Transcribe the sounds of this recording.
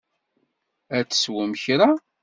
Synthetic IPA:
æt͡sːswəmçɾa

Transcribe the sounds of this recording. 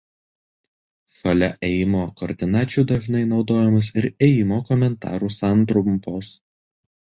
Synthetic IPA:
sɐlʲɛʔeːjɪmoːkɔːɾʲd̪ʲɪnɑːt͡ʃʲuˑːd̪ɐʒnɐɪnɒʊd̪oːjɛmʊs̬ɪɾeːjɪmoːkɔmʲɛnt̪ɑ̰ːɾuːsɑˑnˑt̪ɾʊmpoːs

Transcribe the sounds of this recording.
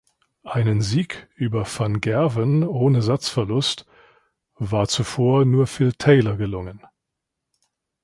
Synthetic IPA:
ʔaɪnənziːkʔyːbɐfanɡɛɐvənʔoːnəzat͡sfɛɐlʊst | vaːɐt͡sufoːɐnuːɐfɪltʰɛɪlɐɡəlʊŋən

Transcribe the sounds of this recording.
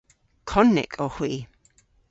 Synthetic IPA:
kʰɔnːɪ̰kʰohwiː

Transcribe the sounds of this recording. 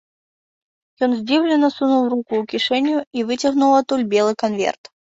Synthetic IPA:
jɔnzʲdʲivlʲɪnːəsunulˠrukʊːkʲiʂɛnʲjʊivɨt͡sʲɐɣnulˠɐt̪ulʲbʲelˠɨkɐnvʲḛrt̪

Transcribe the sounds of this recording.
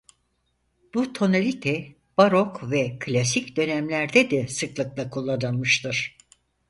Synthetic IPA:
b̥ut̪ʰo̞nalʲit̪ʰɛ | b̥aɾokvɛkʰlʲasicd̪ø̞nɛmlʲæɾd̪ɛd̪ɛsɯklˠɯklˠakʰulˠːanɯmɯʃt̪ʰɯɾ̥

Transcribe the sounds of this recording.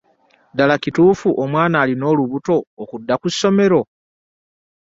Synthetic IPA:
dalacituːfuʔomwaːnaːlino̞ːluβuto̞ːkudːakusːo̞me̞ɾo̞

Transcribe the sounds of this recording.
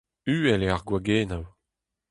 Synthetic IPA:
yːɛleaʁɡwaɡeːnaw

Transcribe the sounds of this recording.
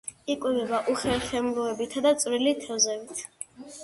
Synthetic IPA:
ikʼwɛvɛbaʔuχɛɾχɛmlɔɛbit̪ʰad̪at̪sʼvɾilit̪ʰɛvzɛbit̪ʰ

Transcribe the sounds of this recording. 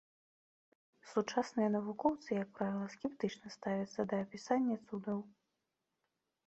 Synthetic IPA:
sut͡ʂasnɨjɐnɐvukɔwt̪sɨjɐk̚pɾavʲilˠɐskʲɛpt̪ɨt͡ʂnɐst̪avʲɐt̪sːɐd̪ɐːpʲisanʲːɐt̪sud̪ɐw

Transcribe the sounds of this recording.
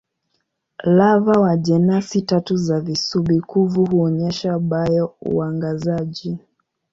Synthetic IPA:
lavawaʄɛnasitatuzavisuɓikuvuɦuɔɲɛʃaɓajɔṵaŋɡazaʄi

